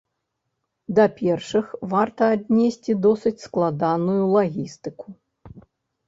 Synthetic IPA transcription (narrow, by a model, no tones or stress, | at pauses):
d̪ɐpʲɛrʂɨxvart̪ɐːd̪ʲnʲesʲt͡sʲid̪ɔsɨt͡sʲsklˠad̪anujulˠaɣʲist̪ɨku